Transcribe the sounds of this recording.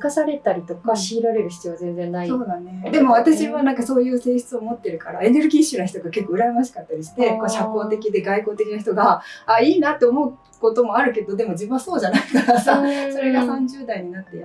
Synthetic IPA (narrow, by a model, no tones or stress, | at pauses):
kasaɾe̞t̪aɾʲit̪o̞kaɕiːɾaɾe̞ɾɯçi̥t͡sijo̞azẽ̞nd͡zẽnːaisoːd̪aned̪e̞mo̞βat̪aɕiβanãŋkaso̞ːjɯ̟ːse̞ːɕɨ̥t͡sɨomo̞t̪ːe̞ɾɯ̟kaɾae̞ne̞ɾɯ̟ɡʲiːɕɨnaçi̥t̪oɡake̞kːoɯ̟ɾajmaɕi̥kat̪ːaɾʲiɕi̥t̪e̞koːɕako̞ːt̪e̞kʲid̪e̞ɡaiko̞ːt̪e̞kʲinaç̬i̥t̪o̞ɡaaiːnat̪ːe̞omo̞ɯ̟ | ko̞t̪o̞mo̞aɾɯ̟ked̪od̪e̞mo̞d͡ʑibɯ̟̃aso̞ːd͡ʑanaikasaso̞ɾe̞ɡasãɲd͡ʑɨːd̪aiɲ̟inat̪ːej